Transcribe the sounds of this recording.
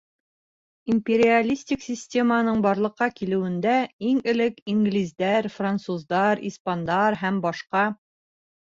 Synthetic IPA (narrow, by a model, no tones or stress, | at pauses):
imʲpʲeɾʲɪalʲisʲtʲɪksʲisʲtʲe̞mənɤɴbɒɾlˠɤ̆qːɑkilɘ̆wɘ̆nd̪æiŋɘ̆lɘkiŋɡlʲizd̪æɾfrant̪suzd̪ɑɾispand̪ɑɾɦæmbɒʃqɑ